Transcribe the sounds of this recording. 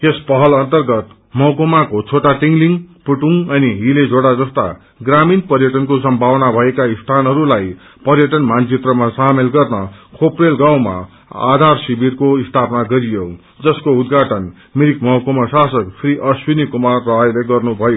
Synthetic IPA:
espʌɦʌlʌnt̪ʌrɡʌt̪ | mʌkomakot͡sʰoʈaʈiŋɡliŋpuʈuŋʌniɦiled͡zoɽad͡zʌst̪a̰ | ɡraminpʌrjʌʈʌnkos̬ʌmbʱawnabʱʌekaist̪ʰanɦʌɾulaj | pʌrjʌʈʌnmant͡sit̪rʌmasamelɡʌrnʌkʰoprelɡaw̃ma̰ | a̰d̪ʱarsibirkoist̪ʰapnaɡʌɾijo | d͡zʌskoud̪ɡʱaʈʌn | miɾikmʌkomasasʌkpʰriʔʌswinikumarːʌɦʌjleɡʌrnubʱʌjo

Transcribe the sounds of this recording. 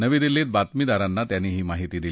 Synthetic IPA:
nəʋiːd̪ilːit̪̚bat̪mid̪aɾanːat̪janːiɦiːmaɦit̪iːd̪il

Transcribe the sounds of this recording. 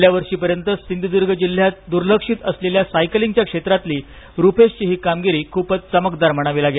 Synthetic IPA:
ljaʋəɾʂiːpəɾjənt̪əsind̪id̪uɾɡʱəd͡ʑil̤ːjat̪̚d̪uɾləkʂiːt̪əsleljasajkliŋɡt͡ɕjakʂet̪ɾat̪liː | ɾupeɕt͡ɕiːɦiːkamɡiɾiːkʰuːpət͡st͡səməkd̪aɾməɽ̃aʋiːlaɡe

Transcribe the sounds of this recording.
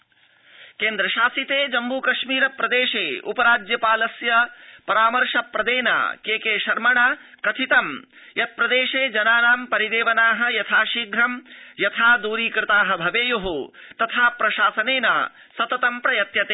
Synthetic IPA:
keːnd̪ɾɐʃaːsit̪eːd͡ʒɐmbuːkɐʃmiːɾɐpɾɐd̪eːʃeːṵpɐɾaːd͡ʒjɐpaːlɐsjɐpɐɾaːmɐɾʂɐpːɾɐd̪eːna̰ːkeːkeːʃɐɾmɐɳɐkɐt̪ʰit̪ɐm | jɐt̪̚pɾɐd̪eːʃeːd͡ʒɐnaːnaːmpɐɾid̪eːʋɐnaːɦɐjɐt̪ʰaːʃiɡɾɐmjɐt̪ʰaːd̪uːɾiːkɾɪt̪aːɦɐbʱɐʋeːjoɦoːt̪ɐt̪ʰaːpɾɐʃaːsɐneːna̰ː | sɐt̪ɐt̪ɐmpɾɐjɐt̪jɐt̪eː

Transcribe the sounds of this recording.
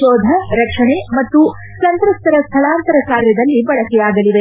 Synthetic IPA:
ʃɔːd̪ʱɐɾɐkʂɐɳemɐt̪ːu | t͡ʃɐnt̪ɾɐst̪ʰɐɾɐst̪ʰɐɭaːnt̪ɐɾɐkaːɾjɐd̪ɐlːibɐɽɐkɛaːɡɐliʋe

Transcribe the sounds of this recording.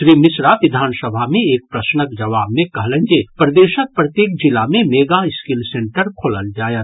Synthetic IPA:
ʃɾimɪsɾaʋɪd̪ʱaːnsəbʱamẽeːk̚pɾəsnəkd͡ʒɐʋaːbmẽkɐɦlend͡ʒepɾəd̪eːʃək̚pɾət̪jeːk̚d͡ʒilamemeːɡaɪskilsẽɳʈəɾkʰoːləld͡ʒaːjət̪

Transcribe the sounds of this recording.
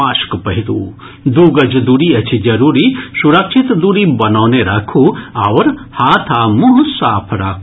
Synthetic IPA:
aːʃkpɐɦid̪ṵː | d̪uːɡɐd͡ʒd̪uɾiɐt͡ʃʰid͡ʒɐɾuːɾisuɾɐkʃit̪d̪uɾibɐnaːneɾɐkʰuːaʋɐɾhaːt̪ʰaːmuɦsaːpʰɾakʰ

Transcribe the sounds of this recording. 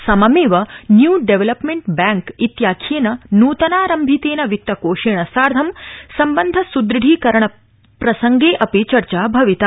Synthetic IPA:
sɐmɐmeːʋɐnjuːɖeʋelɐpmeɳʈbaːŋkit̪jaːkʰeːnɐnuːt̪ɐnaːɾɐmbʱit̪eːnɐʋik̚t̪ːɐkoːʃeːɳɐsaːɾd̪ʱɐmsɐmbɐnd̪ʱɐsud̪ɾɨɖʱiːkɐɾɐɳɐ | pɾɐsɐŋɡeːʔɐpit͡ʃɐɾt͡ʃaːbʱɐʋit̪a

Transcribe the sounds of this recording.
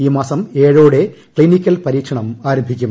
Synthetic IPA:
iːmaːsɐme̞ːɻoːɽe̞ | kɭinikʲːɐlpɐɾiːkʂɐɳɐmaːɾɐmbʱikʲːum

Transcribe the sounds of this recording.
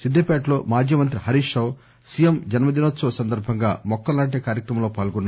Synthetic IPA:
sid̪ʱːeːpɛːʈlo̞ːmaːd͡ʒiːmɐnt̪ɾiɦɐɾiːʃɐw | sijemd͡ʒɐnmɐd̪inot̪sɐʋɐsɐnd̪ɐɾbʱɐŋɡa̰ːmɔkːɐllaːʈ̬eːkaːɾjɐkɾɐmɐmloːpaːlɡɔnːaː

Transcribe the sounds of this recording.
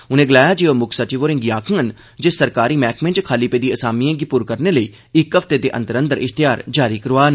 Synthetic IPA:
ʊnẽːɡəlaːjaːd͡ʒeːomʊkʰsat͡ʃiːʋoːɾɪ̃ŋɡjaːkʰə̃ən | d͡ʒesəɾkaːɾiːmɛːkmẽnt͡ʃkʰaːliːpeːd̪iːəsaːmiẽːɡipuːɾkəɾneːləiː | ɪkːəft̪eːd̪eːʔə̰̃nt̪əɾə̃nd̪əɾɪxt̪ɪjaːɾd͡ʒaːɾiːkəɾʋaːn

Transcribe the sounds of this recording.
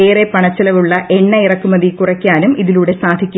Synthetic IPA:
eːrepɐɳɐt͡ɕːɐlɐʋuɭːɐʔe̞ɳːɐirɐkːumːɐðikurɐkʲːaːnumiðiluːɽe̞saːd̪ʱikʲːu

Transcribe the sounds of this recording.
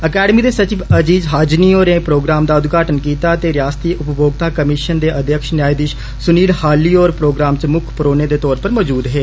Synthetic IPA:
əkɛːɖəmiːd̪eːsət͡ʃiːʋəd͡ʒiːzɦaːd͡ʒniːoːɾẽːpɾoːɡɾaːmd̪aːʊd̪ɡaːʈənkiːt̪aːt̪eːɾɪjaːst̪iːʔʊpboːɡ̚t̪aːkəmɪʃənd̪eːʔəd̪jəkʃnjaːid̪ɪʃ | sʊniːɽhaːliːoːɾpɾoːɡɾaːmt͡ʃmʊkʰpəɾoːneːd̪eːt̪ɔːɾpəɾmɔːd͡ʒuːd̪ɦeː

